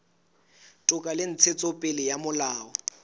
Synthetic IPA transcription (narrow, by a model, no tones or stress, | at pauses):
tʼʊkʼalɪn̩t͡sʰet͡sʼɔpʼɪlɪjamʊlaːɔ